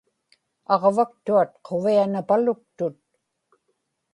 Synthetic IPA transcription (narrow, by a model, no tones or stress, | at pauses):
ɑʁvak̚t̪uat̪qʰo̞vianapalʊk̚t̪ʊt̪̚